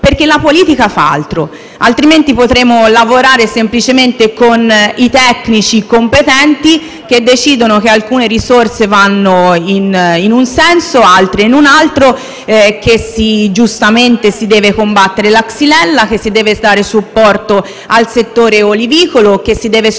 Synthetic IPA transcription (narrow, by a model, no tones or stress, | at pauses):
perk̟elːapoliːt̪ikafaa̰lt̪ɾo | alt̪ɾiment̪ipot̪ɾeːmolavoɾaːɾesemplit͡ʃement̪ekonit̪ɛkːnit͡ʃikompet̪ɛnt̪i | k̟ed̪ːet͡ʃiːd̪onok̟ealkuːneɾisorsevanːoininunsɛnsoalt̪ɾeinunalt̪ɾo | k̟esid͡ʒust̪ament̪esid̪ɛːvekombat̪ːeɾelaksilɛlːak̟esːid̪ɛːvesd̪aːɾesupːɔrt̪o | alset̪ːoːɾeoliviːkolok̟esːid̪ɛːve